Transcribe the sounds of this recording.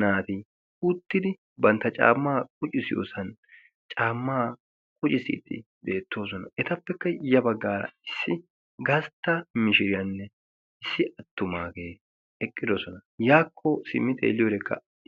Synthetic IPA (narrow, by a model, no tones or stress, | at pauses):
naːt̪i | ʊt̪ːɪd̪ɪ | bɐnt̪ːɐt͡ʃʼa̰ːmːaːkʼʊt͡ʃʼɪsɪjo̰ːsɐn | t͡ʃʼaːmːaː | kʼʊt͡ʃʼɪsɪ̰ːt̪ːɪ̰ | beːt̪ːo̞ːs̬ɔnɐ̰ʔɛt̪ɐpːɛkːɐjɐbɐɡːaːɾɐ̰ɪsːɪ | ɡɐst̪ːɐmɪʃɪɾɪjɐnːɛ | ɪsːɪʔɐt̪ːʊmaːɡe̞ː | ɛkʼːɪd̪ɔsɔnɐ | jaːkʰːɔsɪ̰mːɪt̪ḛːlːɪjoːd̪ɛkːɐ̰